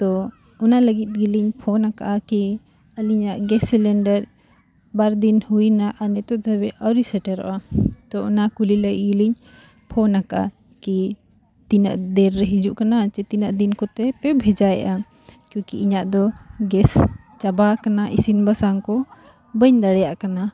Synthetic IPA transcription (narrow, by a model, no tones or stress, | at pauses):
t̪ɔ | ɔnaləɡit̪̚ɡiliɲpʰɔnaka̰ʔaki | əliɲaʔɡɛsːilɛɳɖɛɾ | baɾd̪inhujnaʔanɛt̪ɔd̪əbɛʔɔɾisɛʈɛɾɔ̰ʔat̪ɔɔnakuliləɡḭt̪̚ɡiliɲ | pʰɔnakaʔa̰ | ki | t̪inaʔd̪ɛɾːɛɦid͡ʒuʔkanat͡ʃɛt̪inaʔd̪inkɔt̪ɛpɛbʱɛd͡ʒaja̰ʔa | kjɔ̃kiiɲaʔd̪ɔɡɛs | t͡ʃabakanaʔisinbasaŋkɔ | bəɲd̪aɽɛjaʔkana